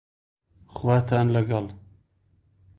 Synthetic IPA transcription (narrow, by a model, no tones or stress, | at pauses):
xwaːt̪ʰaːnlɐɡɐl